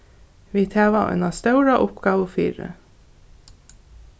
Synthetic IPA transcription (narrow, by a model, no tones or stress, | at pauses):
ʋiːt̪ʰeːʋɑɛ̰nɑst̪œʉɾɑʔʊpɡ̥ɑːʋəfy̰ːɾə̰